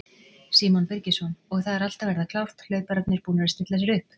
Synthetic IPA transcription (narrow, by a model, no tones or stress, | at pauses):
siːmɔnpɪɾcɪsɔnɔɣθaðɛɾal̥t̪avɛɾðakʰlawft̪lœːɥpaɾaknɪɾ̥puːnaɾaɾst̪ɪht̪las̬ɛɾʏhp